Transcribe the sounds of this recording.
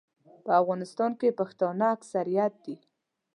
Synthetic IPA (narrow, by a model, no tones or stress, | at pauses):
pəafɣɑnɪst̪ɑnkepaxt̪ɑnaaksaɾijat̪̚d̪i